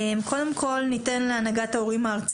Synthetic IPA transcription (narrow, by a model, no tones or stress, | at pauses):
mkʰo̞d̪e̞mkʰo̞lnit̪enleanaɡat̪aoʁimaːʁt͡s